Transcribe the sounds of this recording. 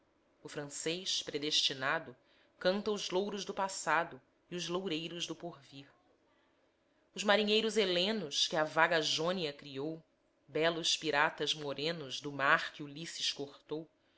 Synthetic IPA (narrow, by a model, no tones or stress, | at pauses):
ʊfɾɐ̃sejʃpɾed̪eʃt͡ʃinad̪ʊ | kɐ̃nt̪ɐʊzlowɾʊʒd̪ʊpasad̪ʊ | iʊzlowɾejɾʊzd̪ʊpoɾviɾ | ʊzmaɾiɲejɾʊzelẽnʊʃkɪɐvaɡaʒõniɐkɾiow | bɛlʊʃpiɾat̪ɐzmoɾẽnʊzd̪ʊmaɾkɪulisiʃkoχt̪ow